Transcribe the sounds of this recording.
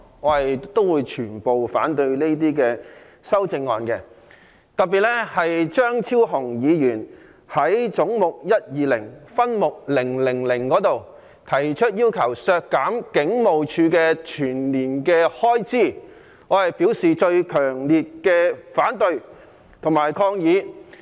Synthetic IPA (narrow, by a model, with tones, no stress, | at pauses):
ŋɔː˨˧he˨jt̪o˥wuː˨˧jt͡ʃʰyː˨˩npo˨wfa̰ː˨˥nt̪ɵ˧ɥne˥t̪iː˥kɛː˧ | sɐ˥wt͡sɪ˧ŋːɔː˨˧nkɛ̰ː˧ | t̪ɐ˨t̚piː˨t̚lɛ˥hɐ˨jt͡ʃœː˥ŋt͡sʰiː˥wɦʊ˨˩ŋjiː˨˧jyː˨˩n | hɐ˨˥jt͡sʊ˨˥ŋmʊ˨k̚jɐ˥t̚jiː˨˧lɪ̰˨˩ŋfɐ˥nmʊ˨k̚lɪ˨˩ŋlɪ˨˩ŋlɪ˨˩ŋkɔː˨˥t̪o˨w | t̪ʰɐ˨˩jt͡ʃʰɵ˥t̚jiː˥wkʰɐ˨˩wsœː˧kːaː˨˥mkɪ˨˥ŋmo˨wt͡ʃʰyː˨˧kɛː˧t͡ʃʰyː˨˩nliː˨˩nkɛː˧hɔː˥jt͡siː˥˩ | ŋɔː˨˧hɐ˨jpiː˨˥wsiː˨t͡ʃɵ˧ɥkʰœː˨˩ŋliː˨t̚kɛː˧faː˨˥nt̪ɵ˧ɥ | t̪ʰʊ˨˩ŋmaː˨˩jkʰɔː˧ŋjiː˨˧